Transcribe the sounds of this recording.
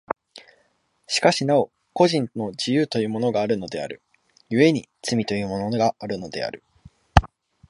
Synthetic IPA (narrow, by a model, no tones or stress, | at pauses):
ɕi̥kaɕinao̞ | ko̞ʑĩnno̞d͡ʑijɯːt̪o̞jɯ̟ːmo̞no̞ɡaːɾɯ̟no̞d̪e̞a̰ɾɯ̟̰ | jɯ̟e̞ɲ̟it͡sɨmʲit̪o̞jɯ̟ːmo̞no̞no̞ɡaaɾɯ̟no̞d̪e̞a̰ɾɯ̟